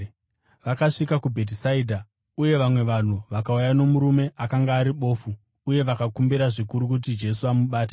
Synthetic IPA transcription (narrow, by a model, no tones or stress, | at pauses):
ʋakaʂikakubʱe̞t̬isaiːdʱa | uje̞ʋamwe̞ʋan̤uʋakaujano̞muɾume̞ʔakaŋɡaːɾiɓo̞ːfu | uje̞ʋakakumbiɾaʐikuɾuk̬ut̬id͡ʒe̞suamuɓaːt̬e̥